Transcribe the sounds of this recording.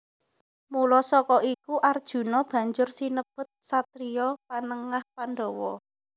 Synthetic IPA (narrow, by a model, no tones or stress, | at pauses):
mulɔsɔkɔikuʔard̥ʒ̥ṳnɔb̥a̤ɲd͡ʒʊrsinəb̥ʊ̤t̪̚sat̪ɾiɔpanəŋahpanɖɔwɔ